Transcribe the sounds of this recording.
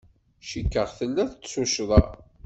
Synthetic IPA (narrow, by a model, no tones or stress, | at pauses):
ʃəkːəʁθəlːæθət͡sːsuʃðˤɑ